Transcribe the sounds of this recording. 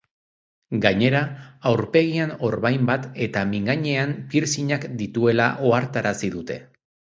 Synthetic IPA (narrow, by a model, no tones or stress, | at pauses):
ɡaɲe̞ɾaːwɾpe̞ɣiano̞ɾβajmbat̪e̞t̪amiŋɡaɲe̞ampiɾsiɲakd̪it̪ue̞la̰ʔo̞aɾt̪aɾasiðut̪e̞̰